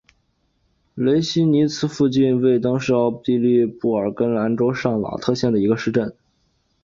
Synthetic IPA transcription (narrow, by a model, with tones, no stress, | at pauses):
le˧˥ɪɕi˥ni˧˥t͡sʰɹ̩˧˥fu˥˧t͡ɕi˥˧nwe˥˩ɪt̪ɤ˥ŋʂɻ̩˥˩˥t̪i˥˧li˥˧pu˥˩ə˞˨˩kə˥nla˧˥nʈ͡ʂo˥ʊʂɑ˥˩ŋlɑ̰˨˩ʊt̪ʰɤ˥˧ɕjɛ˥˩nd̪ə˩i˧˥ɡə˧ʂɻ̩˥˧ʈ͡ʂə˥˩n